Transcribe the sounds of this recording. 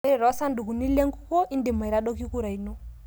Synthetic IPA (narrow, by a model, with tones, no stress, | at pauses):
ɛ˦ɾɛ˨ɾɔ˨˦sa˦ndu˨ku˨ni˦le˦ŋɡu˦kɔ˦ʔi˦nde˨ma˨i˨ɾa˦ɗɔ˦ki˦ku˦ɾa˨i˨nɔ˦